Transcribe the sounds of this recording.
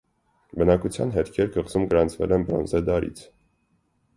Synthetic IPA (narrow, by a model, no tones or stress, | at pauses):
bənɑkut͡sʰjɑnɦɛt̪kʰɛɾkʰəʁzumɡəɾɑnt͡sʰvɛ̰lɛnbɾɔ̰nzɛd̪ɑɾḭt͡sʰ